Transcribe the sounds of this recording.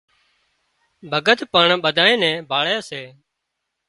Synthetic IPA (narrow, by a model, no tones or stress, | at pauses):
bʱəɡət̪pəɳɓəd̪ʱaːẽːnɛ̃ːbʱaːɭjaːseː